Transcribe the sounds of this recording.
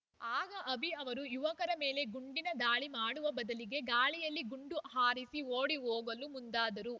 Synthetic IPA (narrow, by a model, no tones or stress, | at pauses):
aːɡɐʔɐbʱiɐʋɐɾujuʋɐkɐɾɐme̞ːle̞ɡuɳɖinɐd̪aːɭimaːɽuʋɐbɐd̪ɐliɡe̞ɡaːɭijɐlːiɡuɳɖuɦaːɾisioːɽiɦoːɡɐlumund̪aːd̪ɐɾu